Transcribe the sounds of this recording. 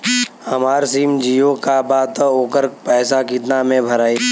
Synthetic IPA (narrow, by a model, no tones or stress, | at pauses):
əmaːɾsiːmd͡ʒiːjokabaːt̪oːkəɾpɛːsakɪt̪namẽbʱəɾaːiː